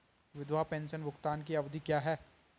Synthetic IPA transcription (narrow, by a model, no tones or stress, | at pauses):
ʋɪd̪ʋapɛ̃ːnʃənʋʊkt̪aːnk̬iɐʋd̪ʱikjaːɦɛː